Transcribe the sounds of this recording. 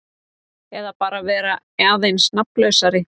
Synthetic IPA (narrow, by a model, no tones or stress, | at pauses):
ɛðapaːɾavɛːɾa | aðejnsnaplœɥsaɾɪ